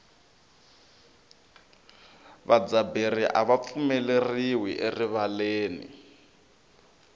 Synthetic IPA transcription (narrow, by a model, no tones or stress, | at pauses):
βad͡zaberiʔaβap̪fumɛleriwiʔeriβaleːnḭ